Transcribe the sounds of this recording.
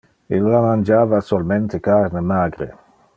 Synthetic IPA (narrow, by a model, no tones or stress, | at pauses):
ilːamand͡ʒaːvasolment̪ekaɾnemaːɡɾḛ